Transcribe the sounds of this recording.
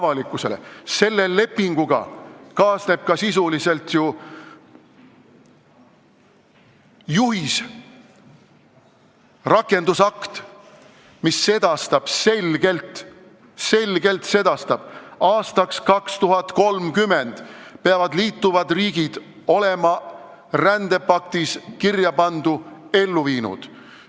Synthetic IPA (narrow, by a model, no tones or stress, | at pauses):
vɑlikːˑuse̞̰le̞̰se̞lːe̞le̞pːˑiŋɡ̥uɡ̥ɑ̰kɑːsne̞b̥̚kɑsis̬ulise̞lt̪ju | juɦis | rɑkːˑe̞nd̪̥usɑkt̪ | misːe̞d̪̥ɑst̪ɑb̥se̞lɡ̥e̞lt̪ | se̞lɡ̥e̞lt̪se̞d̪̥ɑst̪ɑb̥ɑːst̪ɑkskɑkst̪uɦɑt̪ko̞lmkymend̪̥peɑvɑd̪liːt̪ːuvɑd̪riːɡ̥id̪̥ | o̞le̞mɑ | rænd̪̥e̞pɑk̚t̪iskirjɑpɑnd̪̥ue̞lːuviːnṵd̪̥